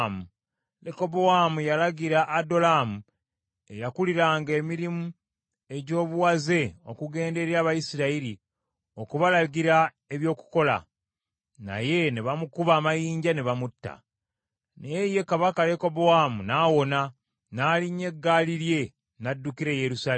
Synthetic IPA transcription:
mu | leko̞bowamujalaɟiɾaʔːdo̞laːmu | e̞jakuliɾaːŋɡeːmiɾimu | e̞ɟo̞ːβuwaze̞o̞̰kuɡe̞ːnde̞ɾiaːβajisiɾaiɾi | o̞kuβalaɡiɾa | e̞βjo̞ːku̥ko̞la̰ | na̰je̞neβamukuβaːmajiːɲɟaneβamutːa̰ | neeje̞kaβakale̞ko̞bowaːmunaːwo̞na | naːliɲe̞ɡːaːliɾje̞ | nadːukiɾe̞jeɾusa

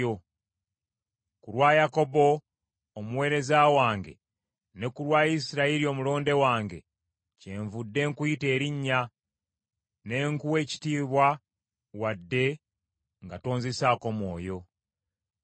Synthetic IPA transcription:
o | kuɾwaːjako̞bo̞ː | muwe̞ːɾe̞zawaːŋɡe̞̰ | ne̞kulwaːisiɾaiɾio̞mulo̞ːnde̞waːŋɡe̞̰ | ce̞ːɱvudːe̞ːŋkuite̞ːɾiɲːa | ne̞ŋkuwe̞ːci̥tiːβwa | wadːe̞ | ŋɡato̞ːnzesaːko̞mwo̞ːjo̞

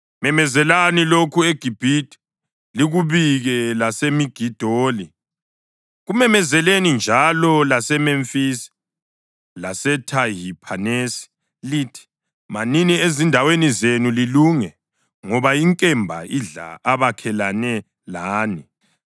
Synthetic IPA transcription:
mɛmɛzɛlanilokʰueɡ̥ʱib̥ʱitʼi̥ | liɣuβiɣɛlasemiɡ̥ʱid̥ʱoːli | ɣumɛmɛzɛlenind͡ʒʱalɔlasɛmɛɱfisi̥ | lasɛtʰaɦipʰanesi̥ | litʰi̥ | maniniezindʱawenizenuliluŋɛ | ŋɔβajiŋkʼɛmbʱa̰iɮa̰aβakʰɛlanɛ | laːni

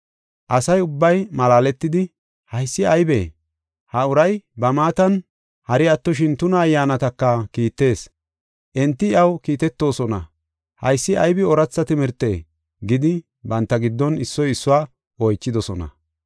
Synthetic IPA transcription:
ʔɐsɐjʊbːɐjmɐlaːlɛt̪ːɪd̪ɪ | hɐjsːɪɐjbḛː | hɐʊɾɐjbɐmaːt̪ɐn | hɐɾɪɐt̪ːɔʃ̬ɪnt̪ʊnɐːjːaːnɐt̪ɐkːɐkiːt̪ːe̞ːs | ʔɛnt̪ːɪɪɐwkiːt̪ɛt̪ːo̞ːsɔnɐ̰ | hɐjsːɪʔɐjbɪɔɾɐt͡sːɐt̪ɪmɪɾt̪ːe̞̰ː | ɡɪd̪ɪ | bɐnt̪ːɐɡɪd̪ːɔnɪsːɔjɪsːʊwaː | ɔjt͡ʃːɪd̪ɔsɔnɐ̰

